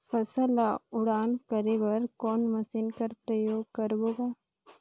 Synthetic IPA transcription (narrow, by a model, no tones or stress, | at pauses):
pʰəsəlaʊɽaːnkəɾeʋɐɾkɔːnməsɪnkɐɾpɾəjoːɡ̚kəɾboːɡaː